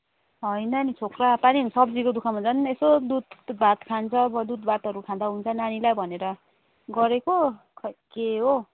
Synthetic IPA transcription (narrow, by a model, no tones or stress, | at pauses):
ɦʌjnʌnit͡sʰokrapaniɦsʌbd͡zikod̪ukʰaɦunt͡sʰanesod̪ud̪bʱat̪kʰant͡sʰʌbʌd̪ud̪̚bʱat̪ɦʌɾukʰãd̪aɦunt͡sʰʌnanilajbʱʌneɾʌ | ɡʌɾeko | kʰkeɦo